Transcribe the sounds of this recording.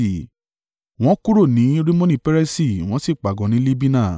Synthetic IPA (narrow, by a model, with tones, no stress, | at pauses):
w̃ɔ̃˨˦ku˦ɾo˦˨nĩ˨˦ɾi˦mõ˦nĩ˦˨pɛ˦ɾɛ˦si˦˨w̃ɔ̃˦si˦˨k͡pa˨ɡɔ̃˨˦nĩ˦li˦bi˦nã˦˨